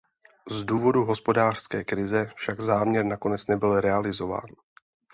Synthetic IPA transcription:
zduːvo̞duɦo̞spo̞daːr̥skɛːkɾɪzɛfʃaɡzaːmɲɛɾnako̞nɛt͡snɛbɪlɾɛalɪzo̞va̰ːn

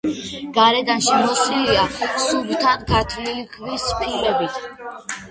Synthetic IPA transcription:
ɡ̥aɾɛd̪anʃimɔsliiasubt̪ʰanɡat̪ʰvlilkʰvispʰilɛbit̪ʰ

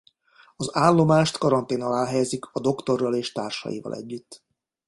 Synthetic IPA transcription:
ɒzaːlːo̞maːʃt̪kɒɾɒnt̪eːnɒlaːlɦɛjɛzikʰɒd̪o̞kt̪o̞rːɒleːʃt̪aːrʃɒ̰jḭvɒ̰lʔɛ̰ɟːyt̪ː

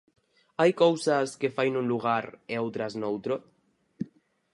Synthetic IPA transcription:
ajkowsaskefajnũnluɣ̞aɾeowt̪ɾaznowt̪ɾo

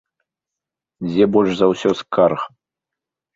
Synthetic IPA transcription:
d͡zʲebɔlʲʂzɐwsʲɔskarx

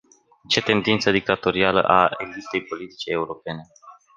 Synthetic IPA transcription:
t͡ʃe̞t̪e̞nd̪int̪səd̪ik̚t̪at̪o̞ɾialə̰ʔaelip̚t̪ːe̞jpo̞lit̪i̥t͡ʃeːuɾo̞pe̞ne̞

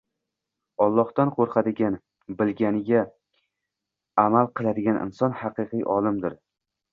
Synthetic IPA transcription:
ɒlˠːɒht̪anqʰoɾqʰad̪ɪɡʲan | bɪlɡʲanɪɡʲa | amalˠqɨlˠad̪ɪɡʲanʔɪ̰nsɒnhɑqɨqɨjʔɒlˠɪmd̪ɪɾ

